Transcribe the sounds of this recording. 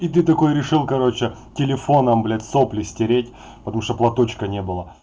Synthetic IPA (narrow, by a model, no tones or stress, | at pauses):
it̪ɨt̪ɐko̞jɾʲɪʂɨlˠkɐɾo̞t͡ɕɪtʲɪlʲɪfo̞nɐmblʲɛt̪ʲsoplʲɪsʲtʲɪɾʲetʲ | pə̥t̪ɐmuʂt̪oplˠɐt̪ot͡ɕkənʲebɨlˠə